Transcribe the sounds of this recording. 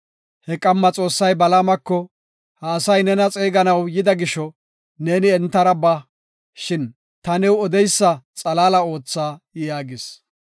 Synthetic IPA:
hɛkʼɐmːɐt͡sʼo̞ːsːɐjbɐlaːmɐkːɔ | hɐːsɐjnɛnɐt͡sʼeːɡɐnɐwjɪd̪ɐɡɪʃɔ | ne̞ːnɪɛnt̪ːɐɾɐbɐ | ʃɪn | t̪ɐnɛwɔd̪ɛjsːɐt͡sʼɐlaːlɐo̞ːt͡sːaːjaːɡɪs

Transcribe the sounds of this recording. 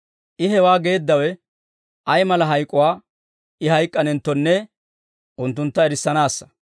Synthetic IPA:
ʔɪɦɛwaːɡe̞ːd̪ːɐwɛ | ʔɐjmɐlɐɦɐjkʼːʊwaː | ʔɪɦɐjkʼːɐnɛnt̪ːɔnːɛ | ʔʊnt̪ːʊnt̪ːɐɛɾɪsːɐnaːsːɐ̥

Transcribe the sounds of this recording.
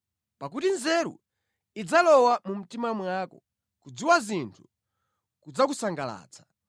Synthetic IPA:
pak̬utinzɛɾṵ | id͡zalɔwamum̩timamwakɔ̰ | kud͡ziwazintʰu̥ | kud͡zak̬usaŋɡala̰ːt͡sʰḁ

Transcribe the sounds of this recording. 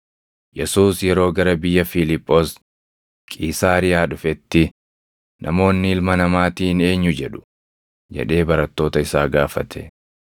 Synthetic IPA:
jɛsuːsjɛɾo̞ːɡɐɾɐbɪjːɐfɪlɪpʼːo̞ːs | kʼiːsaːɾɪjaːᶑʊfɛt̪ːɪ | nʔɐmo̞ːnːɪɪlmɐnɐmaːt̪iːne̞ːɲːʊd͡ʒɛᶑʊ̥ | d͡ʒɛ̰ᶑe̞ːbɐɾɐt̪ːo̞ːt̪ɐɪsaːɡaːfɐt̪ʰɛ̥

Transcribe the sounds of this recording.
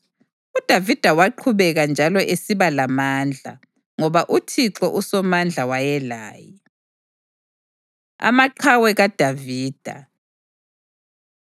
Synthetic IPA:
ud̥ʱavid̥ʱawaǃʰuβɛɣand͡ʒʱalɔʔesiβalamand͡ɮʱa̰ | ŋɔβaʔutʰiǁɔʔusɔmand͡ɮʱawajɛla̰ːjɛ | a̰maǃʰawɛɣad̥ʱaviːd̥ʱa̰

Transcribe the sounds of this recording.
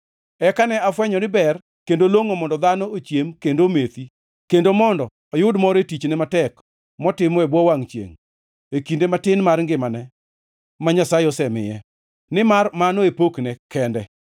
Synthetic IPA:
ɛkanɛafwɛɲɔnɪbɛr | kendoloŋomɔndɔd̪anɔot͡ʃjemkendomet̪i | kendomɔndɔ | ɔjʊdmɔɾetit͡ʃnɛmatɛk | mɔtɪmɔɛbwɔwaŋt͡ʃjḛŋ | ekindematɪnmarŋɡɪmanɛ | maɲasaɪɔsɛmɪ̰jɛ | nɪmarmanoepoknɛkɛndɛ

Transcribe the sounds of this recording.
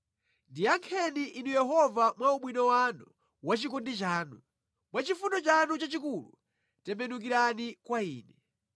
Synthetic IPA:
ndijaŋkʰɛniʔːnujɛɦɔvamwauɓwinɔwanu | wat͡ʃikɔndit͡ʃaːnu | mwat͡ʃifunɔt͡ʃanut͡ʃat͡ʃikulṵ | tɛmbɛnuk̬iɾanikwaiːnɛ

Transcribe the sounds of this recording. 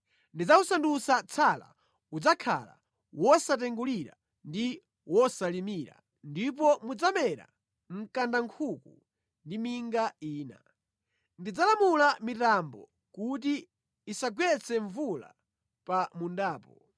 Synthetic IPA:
ndid͡zausandusat͡sʰala̰ | ud͡zakʰa̰la̰ | wɔsat̬ɛŋɡuliɾa̰ | ndi | wɔsalimiɾa̰ | ndip̬ɔmud͡zamɛɾa̰ | m̩kandaŋkʰuku | ndimiŋɡaiːna̰ | ndid͡zalamulamitambɔ̰ | kut̬iː | saɡwɛt͡sʰɛɱvula̰ | pamundaːpɔ

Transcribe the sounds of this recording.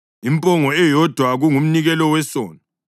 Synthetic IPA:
impʼɔŋɔɛjɔd̥ʱwaɣuŋum̩niɣɛlɔwɛsɔːna

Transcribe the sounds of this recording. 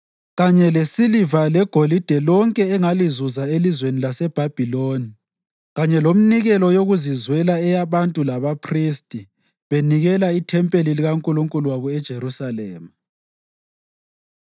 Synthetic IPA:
ɣaɲɛlesilivalɛɡ̥ʱolid̥ʱɛlɔŋkʼɛːŋalizuzaelizwenilasɛb̥ʱab̥ʱiloːni | ɣaɲɛlom̩niɣɛlɔjoɣuzizwɛlaɛjaβantʼulaβapʰristʼi | βeniɣɛlaitʰɛmpʼeliliɣaŋkʼuluŋkʼuluwaβɔɛd̥ʒ̥ʱeɾusalḛːmu

